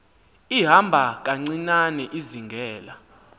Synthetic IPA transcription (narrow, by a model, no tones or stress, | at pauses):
iɦambʱak̬aŋ͡ǀinanɛʔiziŋɡʱɛːla